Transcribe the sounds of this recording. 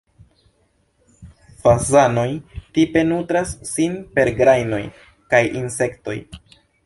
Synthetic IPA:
fazano̞jtipe̞nutɾasːinpe̞ɾɡɾajno̞j | kajʔinse̞kto̞̰j

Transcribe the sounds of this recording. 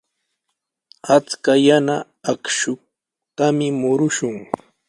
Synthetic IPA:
at͡skajanaː | kʃʊk̚ | t̪amɪmʊɾʊʃʊŋ

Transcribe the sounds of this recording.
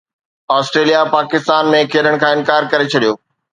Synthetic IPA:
ɔːsʈɾeːlijapaːkɪst̪aːnmẽkʰeːɗəɽ̃kʰãːɪnkaːɾkɐɾet͡ɕʰɐɗijoː

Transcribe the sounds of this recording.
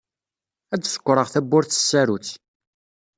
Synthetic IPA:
ædsə̥kʷːɾˤəʁθæbːʊɾθə̥sːæɾut͡s

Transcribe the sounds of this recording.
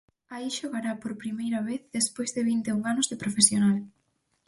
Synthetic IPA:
aiʃoɣaɾapoɾpɾimejɾɐβeθðespojzðɪβint̪euŋanʊzðepɾofesjonal

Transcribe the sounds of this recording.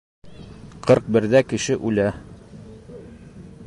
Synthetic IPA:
qʰɤɾq̚bɘ̆ɾðækɘ̆ʃɘʔʉlæ

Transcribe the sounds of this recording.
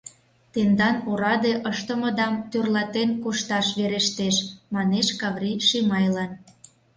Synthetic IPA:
t̪end̪ɑnuɾɑd̪eʔəʃt̪ə̆mɤ̆d̪ɑmt̪ørlɑt̪enkuʃt̪ɑʃβeɾeʃt̪eʃmɑneʃkɑβriʃimɑjlɑn

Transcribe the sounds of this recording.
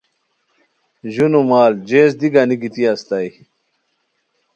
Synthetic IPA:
ʑunumaːld͡ʑeːs̬d̪iɡaniɡit̪iast̪aj

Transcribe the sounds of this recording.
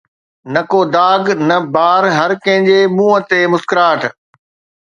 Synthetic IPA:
nɐkoːd̪aːɡnɐbaːɾɦɐɾkɐ̃ɦɪ̃ɲd͡ʑemũːə̆t̪eːmʊskɾaːʈʰ

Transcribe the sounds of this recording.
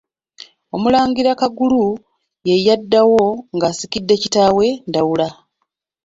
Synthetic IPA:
o̞mulaːɲɡiɾakaɡulu | jejːadːawo̞ŋɡasikidːe̞citaːwe̞ndawula

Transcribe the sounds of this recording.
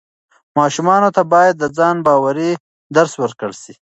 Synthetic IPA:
mɑːʃumɑnot̪abɑjad̪ːəd͡zɑnbɑːwaɾi | d̪aɾswəɾkəɽsi

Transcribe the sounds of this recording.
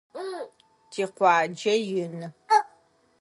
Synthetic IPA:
tʰiːqʷɑːd͡ʒɐjɪnɨ

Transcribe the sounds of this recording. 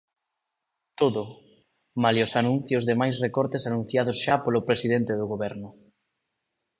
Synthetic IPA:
t̪oðʊ | maliosanũn̟θjʊzðemajsrekɔɾt̪esanũn̟θjað̞ʊsʃapolʊpɾesiðɛnt̪ɪðʊɣoβɛɾnʊ

